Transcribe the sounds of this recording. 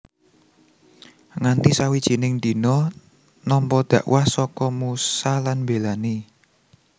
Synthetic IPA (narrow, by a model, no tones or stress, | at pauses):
ŋant̪isawid̥ʒ̥i̤nɪŋnd̪i̤nɔ | nɔmpɔd̪̥ä̤ʔwʔahsɔkɔmusalanmbelane